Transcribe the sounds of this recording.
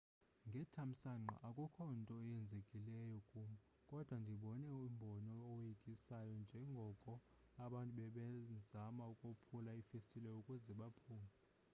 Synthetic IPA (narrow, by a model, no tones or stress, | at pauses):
ŋɡʱɛtʰam̩saŋ͡ǃa̰ʔakʼukʰɔntʼɔjɛnd͡zʱekʼilɛjɔkʼuːmɔ | kʼɔd̥ʱwandʱiɓɔnɛimbʱɔnɔːwekʼisajɔnd͡ʒʱɛŋɡʱɔkʼɔ | aɓantʼuɓɛɓɛzamaukʼopʰulaifestʼilɛukʼuzɛɓapʰuːŋa